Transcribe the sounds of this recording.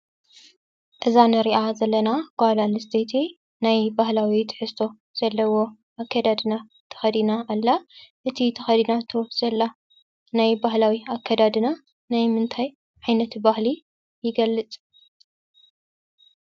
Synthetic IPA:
ʔɨzanɨɾiʔazɐlːɐnakalalɨsd̪et̪ʰi | najbahlawit̪ʰɨ̥ħɨst̪ʰo̞ | z̥ɐlːɐwo̞ | ʔakʰːad̪ad̪ina | t̪ʰɐ̥xɐd̪inaːlːaʔɨt̪ʰit̪ʰɐxɐd̪inat̪ʰo̞z̥ɐlːa | najbaɦlawiakʰːad̪ad̪ɨna | najmɨnt̪ʰaj | ʕajnɐt̪bahli | jɪɡɐlːɨt͡sʼ

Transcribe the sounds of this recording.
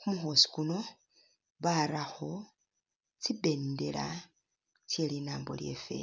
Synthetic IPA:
kumuxo̞ːsi̥kuno̞ | βaɾaxo̞ | t͡sibe̞nde̞̰la̰ | t͡sjelinaːmbo̰lje̞̰fḛ

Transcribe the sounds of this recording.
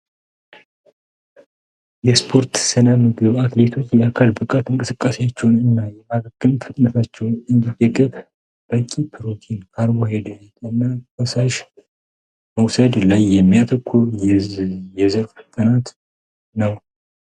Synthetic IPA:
jɛspʰo̞ɾt̪sɨnəmɨɡɨβat̪le̞t̪ʰo̞t͡ʃːjɛakʰalbɨkʼat̪ɨŋkʼɨsɨkʼːaseat͡ʃːɛwnɨnːajɛmaɡəɡɨmfət̪ʼnəfat͡ʃːɛwnɨnd̪id̪əɡɨβ | b̥əkʼipʰɨɾot̪ʰinkʰaɾwohed̪t̪ʼɨnːawəsaʃ | məwsəd̪lajːɛmːijat̪ʰəkʰːujjɛzəɾfɨt̪ʼːənat̪ | nəw

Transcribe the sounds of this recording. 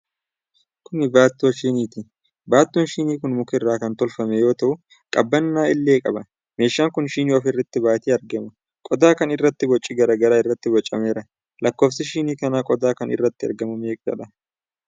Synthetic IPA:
kʊnɪbaːt̪ːoʃiːniːt̪ɪ | baːt̪ːunʃiːniːkʊnmʊkɛɪrːaːkɐnt̪ɔlfɐmɛjo̞ːt̪ɐʔʊ | kʼɐbːɐnːaːɪlːe̞ːkʼɐbɐ | me̞ːʃːaːŋkʊnʃiːniɐfɪrːɐt̪ːɪbaːt̪iːɐɾɡɛmɐ | kʼɔd̪aːkɐnɪrːɐt̪ːɪbɔt͡ʃʼːɪɡɐɾɐɡɐɾaːɪrːɐt̪ːɪbɔt͡ʃʼːɐme̞ːɾɐ | lɐkːo̞ːfsɪʃiːniːkɐnaːkʼɔd̪aːkɐnɪ̰rːɐt̪ːɪɐ̰ɾɡɐmɐme̞ːkʼd͡ʒɐ̰ᶑɐ

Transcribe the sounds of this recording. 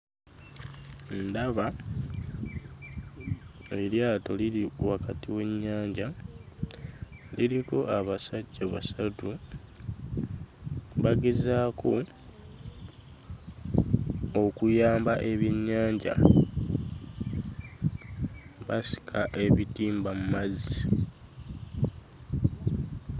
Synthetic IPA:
ndaβa | eljaːto̞liɾiwakatiwe̞ɲːaːɲɟa | liɾiko̞ʔaβasaɟːaβasatu | βaɡe̞zaːkʰo̞ | okujaːmbaʔe̞βjeɲːaːɲɟa̰ | βasi̥kʰaʔe̞βitiːmbamumazi

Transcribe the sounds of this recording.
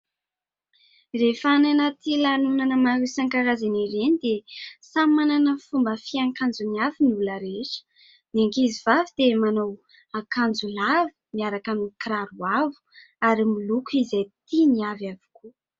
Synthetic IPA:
refananat̪ilanunanəmaɾusaŋkaɾazaniɾenid̪esamananəfumbəfiaŋkand͡zuniavinuləɾeʈ͡ʂə̥ | naŋkizivavid̪̥emanow | akand͡zulavi̥miaɾakanikɾaɾuavu̥ | aɾimulukuizajt̪iniavavi̥ku

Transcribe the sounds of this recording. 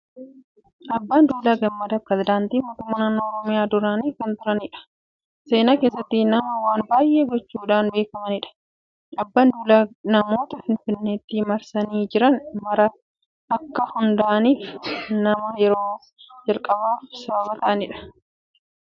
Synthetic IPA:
ʔɐbːaːnd̪uːlaːɡɐmːɐd̪ɐpɾɛzɪd̪aːnt̪iːmo̞ːt̪ʊmːaːnaːnːoːɔɾɔmɪjaːd̪ʊɾaːniːkɐnt̪ʊɾɐnɪᶑɐ̥ | se̞ːnaːkeːs̬ːɐt̪ːɪnɐmɐwaːnbaːjʔe̞ːɡɔt͡ʃːuːᶑaːnbe̞ːkɐmɐnɪᶑɐ̥ | ɐbːaːnd̪uːlaːnɐmo̞ːt̪ɐfɪnfɪnːeːt̪ːɪmɐɾsɐniːd͡ʒɪɾɐnmɐɾɐ | ʔɐkːɐhʊnd̪aʔɐniːfnɐmɐjɛɾo̞ː | d͡ʒɐlkʼɐbaːfsɐbɐbɐt̪ɐʔɐnɪᶑɐ̥

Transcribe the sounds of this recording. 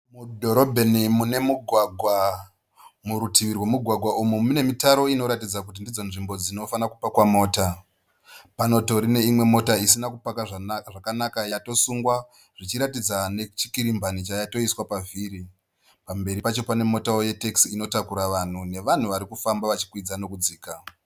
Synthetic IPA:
mudʱo̞ɾo̞bʱenimune̞muɡʱwaɡʱwa | muɾutiʋirwe̞muɡʱwaɡʱwaʔumumune̞mitaɾo̞ino̞ɾatid͡zakut̬indid͡zo̞nʐimbo̞d͡zino̞fanakupakwamo̞ːta | pano̞to̞ɾine̞imwe̞mo̞taisinakupakaʐʐakanakajato̞suŋɡwa | ʐ̥it͡ʃiɾatid͡zane̞t͡ʃi̥kiɾimbʱanit͡ʃajato̞iswapaviːɾi | pambe̞ɾipat͡ʃo̞pane̞mo̞taoje̞teksino̞takuɾaʋan̤une̞ʋan̤uʋaɾikufambaʋat͡ʃi̥kwid͡zano̞kud͡ziːka

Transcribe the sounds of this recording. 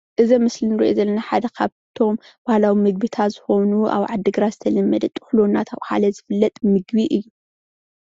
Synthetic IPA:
ʔɨzɐmɨslinɨɾḭʔo̰zɐlːɐnaħad̪ɐkʰaβt̪ʰo̞m | b̥ahlawimɨɡ̚bit̪ʰat̪z̥ɨxo̞nuʔa̰βʕad̪ːɨɡɾazɨt̪ʰɐlɐmːɐd̪ɐt̪ʼːɨ̥xlonːat̪ʰaβha̰lɐzɨfɨlːɐt̪ʼmɨɡbiʔɨjːu

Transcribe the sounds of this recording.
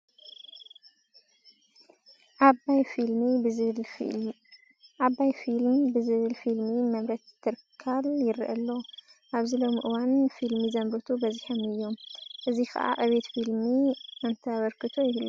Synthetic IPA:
ʔajfilmib | ʔaβajfilmbɨzɨβɨlfilmimɐmɾɐt̪ʰːɨɾkʰːaljɪɾʔɐlːo̞ʔaβzɨlo̞mʔɨwanfilmizɐmbɨt̪ʰubɐzħomɨjːo̞mʔɨzixɐ̰ʔa̰ʔɐβet̪filmiʔɨnt̪ʰɐaβɐɾkʰɨt̪ʰojɪhlːu

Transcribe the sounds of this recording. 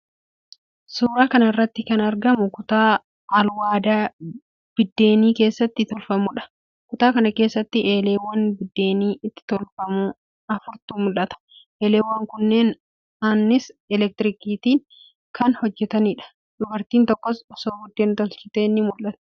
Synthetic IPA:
suːɾaːkɐnɐɪrːɐt̪ːɪkɐnɐɾɡɐmʊkʊt̪aː | ɐlwaːd̪aː | b̥ɪd̪ːe̞ːniːke̞ːsːɐt̪ːɪt̪ɔlfɐmʊᶑɐ̥ | kʊt̪aːkɐnɐke̞ːsːɐt̪ːɪʔe̞ːle̞ːwːɐnbɪd̪ːe̞ːniːʔɪt̪ːɪ̥t̪ɔlfɐmu | ɐfʊɾt̪uːmʊlʔɐt̪ɐ̥ʔeːle̞ːwɐŋkʊnːe̞ːn | ɐnːɪsɛlɛk̚t̪ɪɾɪkiːt̪iːŋ | kɐnhɔd͡ʒːɛt̪ɐnɪᶑɐ̥ | dʊbɐɾt̪iːnt̪ɔkːɔsɔsoːɡʊd̪ːeːnt̪ɔlt͡ʃɪt̪eːnːɪmʊlʔɐt̪ʊ̥

